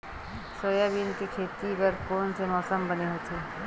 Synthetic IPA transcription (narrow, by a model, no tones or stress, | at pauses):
soːjabiːnkekʰeːt̪ibɐɾkoːnsemɔːsəmbɐneɦoːt̪ʰeː